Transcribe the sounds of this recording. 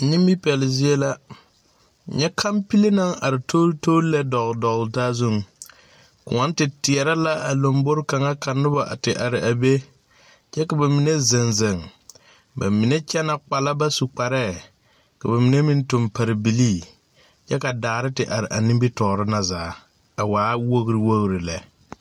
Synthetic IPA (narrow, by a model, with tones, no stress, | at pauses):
ni˦mbi˦pɛ˨lɪ˨zɪ˦e˦la˦˨ | ɲɛ˦kʰa˦mpi˦li˦na˦ŋa˨ɾɪ˨tʰo˦toː˦lɛ˦dɔ˨ɣdɔ˨ɣltaː˦zu˦˨ŋ˨ | kʊ̰˨ŋɔ˦n˦tɪ˨tɪ˨ɛ˨ɾa˦la˦ʔa˨lo˨mbʊ˦ɾka˨ŋa˦ka˨nʊ˦ba˨ʔa̰˨tɪ˨ʔa˨ɾɪ˨ʔa˨be˦ | t͡ʃɛ˦ka˨ba˨mi˨ne˦zɪ˨nzɪ˨ŋ | ba̰˨mi˨ne˦t͡ʃɛ˦na˨k͡pa˨la˦ba˦su˨k͡pa˨ɾɛː˦˨ | ka˨ba˨mi˨ne˦mi˦ntʊ˨mpa˨ɾɪ˨bi˨liː˦˨ | t͡ʃɛ˦ka˨daː˨ɾɪ˦tɪ˨ʔa˨ɾɪ˨ʔa˨nɪ˦mbi˦tɔː˨ɾɪ˦na˨zaː˨˦ | a˨waː˨˦wo˦ɣɾi˦wo˦ɣɾi˨la˨